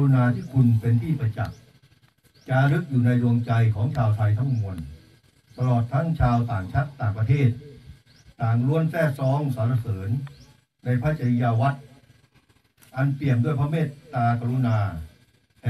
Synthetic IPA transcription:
u˧naː˧t̪ʰiː˥˩kʰu˧npe˧nt̪ʰiː˥˩pa˧t͡ɕa̰˨˩k̚ | t͡ɕaː˧ɾɯ˦˥k̚juː˨˩na˧jɾo˧əŋt͡ɕa˧jkʰɔː˩˦ŋt͡ɕʰaː˧wt̪ʰa˧jt̪ʰa˦˥˩ŋmu˧ən | t̪a˧lɔː˨˩t̪ʰːa˦˥˩ŋt͡ɕʰaː˧wt̪aː˨˩ŋt͡ɕʰa˦˥˩t̪ːaː˨˩ŋpɾa˧t̪ʰeː˥˩t̪̚ː | aː˨˩ŋɾu˦˥ənsɛː˥˩sɔː˦˥ŋsaː˨˦˥ɾa˧˩sɤː˩˦nː | na˧jpʰa˦˥t͡ɕa˧i˧jaː˧wa˦˥t̪̚ | ʔa˧npli˨˩əmdu˧˥˩əjpʰɔ˦˥meː˥˩t̪ːaː˧kaː˧ɾu˧naː˧ | hɛ˨

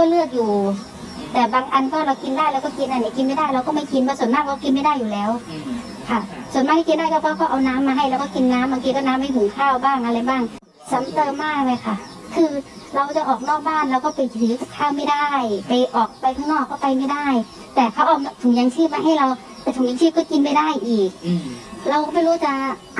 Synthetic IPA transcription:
kɔː˥˩lɯ˥˩ək̚juː˨˩ | t̪ɛː˨˩baː˧ŋʔa˧nkɔː˥˩ɾa˧wki˧ndaː˥˩jlɛ˦˥wkɔː˥˩ki˧nʔa˧˩n˧˩ki˧nma˥˩jdaː˥˩jɾa˧wkɔː˥˩ma˥˩ki˧nbwaː˧˩su˩˦nmaː˥˩t̪̚kʰa˧˥˩ki˧nma˥˩jdaː˥˩˨jːuː˨˩lɛː˦˥w | kʰa˥˩su˨˩˦nmaː˧˩ha˥˩ki˧ndaː˥˩t̪ʰɛː˧˩kʰɔː˧˩kɔː˥˩ʔa˧wnaː˦˥mːaː˧ɦa˧˥˩jlɛː˧˦˥wkɔː˥˩ki˧nːaː˦˥mbaː˧ŋkʰiː˧kɔː˧˥˩naː˦˥mːa˥˩jɦʰu˩˦ŋkʰaː˧˩wbaː˥˩ŋʔa˧ɾa˧jbaː˥˩ŋ | sa˨˦mt̪ɤː˧maː˥˩pa˧jkʰa˥˩ | kʰɯː˧ | ɾa˧wt͡ɕa˨˩ʔɔː˨˩k̚nɔː˥˩k̚baː˥˩nɾa˧wkɔː˥˩pa˧jʰiː˨˦kk̪ʰaː˥˩wma˥˩jdaː˥˩jpa˧jʔɔː˨˩k̚pa˧jk̪ʰaː˥˩ŋnɔː˥˩kʰːɔː˥˩pa˧jma˥˩jdaː˥˩j | t̪ɛː˨˩kʰa˦˥wʔa˧wt̪ʰu˨˩˦ŋja˧ŋt͡ɕʰɯː˥˩maː˧ɦa˥˩jɾa˧w | t̪aː˧˩jt̪ʰu˨˩˦ŋjaː˧sʰi˥˩kɔː˥˩ki˧npa˥˩jdaː˥˩jʔiː˨˩k̚ɾa˧wkma˥˩jɾuː˦˥˩t͡ɕa˨˩

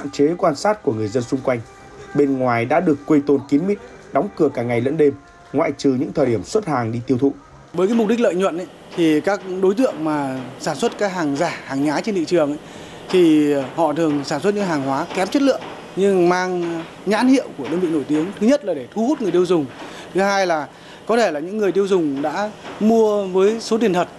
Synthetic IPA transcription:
a̰˧˨nt͡ɕe˨˦kwaː˧nsaː˦˥t̚ku˧˩əŋɨ˨˩əjzə˧nsʊ˧ŋ͡mkwa˧jŋ̟ | ɓe˧nŋwaː˨˩jɗa̰ː˧˥ɗɨ˨˩əkːwe˧jt̪o˧nki˨˦mmi˦˥t̚ | ɗɔ˨˦wŋ͡mkɨ˧˩əkaː˧˩ŋa˨˩jlə̰˧˥nɗe˧m | ŋwa̰ː˧˨jt͡ɕɨ˨˩ɲɨ̰˧˥ŋt̪ʰəː˨˩ɗi˧˩əmswə˦˥t̚haː˨˩ŋɗi˧t̪i˧əwt̪ʰṵ˧˨ | vəː˨˦jkaː˨˦jm˨˩k͡p̚ɗï˦˥k̟̚lə̰ː˧˨jɲwə̰˧˨nʔa˨˦j | t̪ʰi˨˩kaː˦˥k̚ɗo˨˦jt̪ɨ̰˧˨əŋmaː˨˩saː˧˩nswə˦˥t̚kaː˦˥k̚ɦaː˨˩ŋzaː˧˩haː˨˩ŋɲaː˨˦t͡ɕe˧nt̪ḭ˧˨t͡ɕɨ˨˩əŋʔa˨˦j | t̪ʰi˨˩hɔ̰˧˨t̪ʰɨ˨˩əŋsaː˧˩nswt̚ɲɨ̰˧˥ŋɦaː˨˩ŋɦwaː˨˦kɛ˨˦mt͡ɕə˦˥t̚lɨ̰˧˨əŋ | ɲɨ˧ŋmaː˧ŋ | ɲa̰ː˧˥nhḭ˧˨əwku˧˩əɗəː˧nvḭ˧˨no˧˩jt̪i˨˦əŋt̪ʰɨ˨˦ɲə˦˥t̚laː˨˩ɗe˧˩t̪ʰu˧hu˦˥t̚ŋɨ˨˩əjt̪i˧ə˧wzʊ˨˩ŋ͡m | t̪ʰɨ˨˦haː˧jlaː˨˩ | kɔ˨˦t̪ʰe˧˩laː˨˩ɲɨ̰˧˥ŋːɨ˨˩əjt̪i˧əwzʊ˨˩ŋ͡mɗa̰ː˧˥mu˧əvəː˨˦jso˨˦t̪i˨˩ənt̪ʰə˨˩t̚

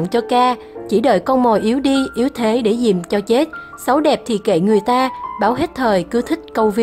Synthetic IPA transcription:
ŋt͡ɕɔ˧kaː˧ | t͡ɕi˧˩ɗə̰ː˧˨˩jkɔ˧nmo˨˩jʔi˨˦əwɗi˧ʔi˨˦əwt̪ʰe˨˦ɗe˧˩zḭ˧˨mt͡ɕɔ˧t͡ɕe˦˥t̚ | sə˨˦wɗɛ˨˩p̚t̪ʰi˨˩kḛ˧˩ŋɨ˨˩əjt̪aː˧ɓaː˧˩wɦe˦˥t̚t̪ʰəː˨˩jkɨ˨˦t̪ʰï˦˥k̟̚kə˧wvi˧˦

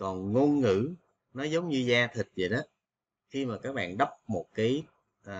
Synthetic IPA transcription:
kɔ˨˩nŋo˧nŋɨ̰˧˥ | nɔ˨˦zə˨˦wŋ͡mɲɨ˧zaː˧t̪ʰï˨˩t̚zə˨˩ɗɔ˨˦ | xi˧maː˨˩kaː˦˥k̚ɓa̰ː˧˨nɗə˦˥wp̚mo˨˩t̚kaː˨˦j | ʔː

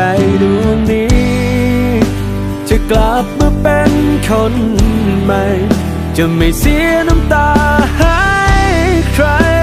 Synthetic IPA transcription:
a˧jdu˧˩nːi˦ | t͡ɕɨ˧kla˧˩p̚mɯ˧pe˧nkʰɔ˧˥nma˧j | t͡ɕɨ˧˩ma˨˩jsi˧˥na˧mt̪aː˧ha˧˦jkʰɾa˧˦

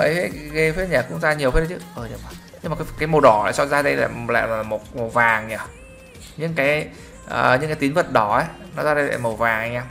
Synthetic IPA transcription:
ʔə˨˦fe˦˥ɣə˧fe˦˥t̚ɲaː˨˩kʊ̰˧˥ŋ͡mzaː˧ɲi˨˩əwe˦˥ə˧˦t͡ɕɨ˨˦ʔəː˨˩ɲə˨˧˩ɓa˧˩ | ɲɨ˧ŋmaː˨˩kːkaː˨˦jmo˨˩ɗɔ˨˧˩aː˨˩sɔ˧zaː˧ɗə˧jla̰ː˨˩˨la̰ː˧˨jma˨˩mo˨˩t̚mo˨˩wvaː˨˩ŋɲaː˧˩ | ɲɨ̰˧˥ŋkaː˨˦j | ʔə̰ː˨˩ɲɨ̰˧˥ŋkaː˨˦t̪i˨˦nvə˨˩t̚ɗɔ˨˦ʔaː˨˦nɔ˨˦zaː˧ɗə˧jla̰ː˧˨mə˨˩vaː˨˩ŋha˧jɲaː˧m

